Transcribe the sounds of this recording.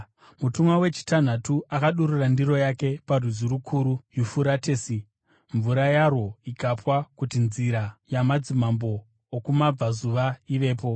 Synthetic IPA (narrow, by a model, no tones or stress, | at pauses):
mutumwawe̞t͡ʃi̥tan̤atuakaɗururandiro̞jake̞parizuɾukʰuːɾujufuɾate̞ːsi | ɱvuɾajarwo̞ikapwakutinziɾajamad͡zimambo̞ː | kumab͡vazuʋaiʋe̞ːp̬o̞